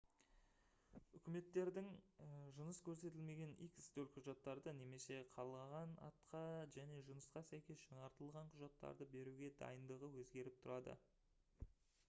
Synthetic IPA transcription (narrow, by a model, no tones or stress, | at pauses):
ʏkʲɪme̞t̪ːe̞ɾd̪ɪŋʒʊnəskʲʰɵɾse̞t̪ɪlme̞ɡʲe̞nijkʲɪ̥st̪ɵlqʰʊʒɑt̪ːɑɾd̪əne̞me̞se̞qʰɑlˠʁɑʁɑnɑ̰t̪qɑʒæne̞ʒʊnəsqɑsæjkʲe̞sʒ̥ɑɴɑɾt̪əlˠʁɑɴqʰʊʒɑt̪ːɑ̰ɾd̪əbe̞ɾuɡʲe̞d̪ɑ̰jənd̪əʁəwɵzɡʲe̞ɾɪp̚t̪ʰʊɾɑd̪ə̰